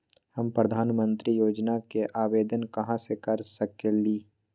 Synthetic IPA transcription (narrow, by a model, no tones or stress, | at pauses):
həmpɾəd̪ʱaːnmə̃nt̪ɾijoːd͡ʒnakeʔaːweːd̪ənkɐɦãsekɐɾsəkeliː